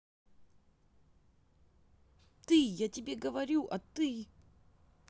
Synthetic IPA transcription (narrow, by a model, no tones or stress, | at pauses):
t̪ɨjatʲɪbʲeɡəvɐɾʲuʔɐt̪ɨ